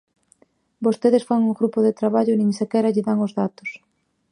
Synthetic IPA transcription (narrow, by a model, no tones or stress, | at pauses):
bost̪eðesfaŋuŋɡɾupoðet̪ɾaβaʎʊnĩŋsekɛɾaʎɪðaŋozðat̪o̥s